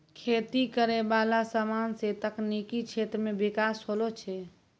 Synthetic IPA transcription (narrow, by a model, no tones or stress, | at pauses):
kʰet̪ikəɾebalasəmanset̪əknikit͡ʃʰet̪ɾəmebikasɦolot͡ʃʰɛ